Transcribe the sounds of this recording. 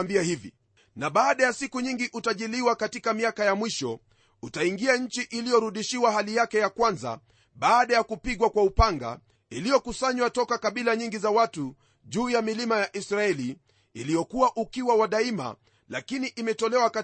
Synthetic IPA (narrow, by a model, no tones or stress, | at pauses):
mbiahivḭ | naɓaːɗajasikuɲiŋɡiʔutaʄiliwakatikamiakajamwiʃɔ | utaiŋɡiaɲ̩t͡ʃiʔilijɔɾuɗiʃiwaɦalijakɛjakwanza̰ | ɓaːɗajakupiɠwakwaupaŋɡa̰ | ilijɔkusaɲwatɔkakaɓilaɲiŋɡizawatu | ʄuːjamilimajaʔisɾaɛliː | lijɔkuwaʔukiwawaɗaima̰ | lakiniʔimɛtɔlɛwaka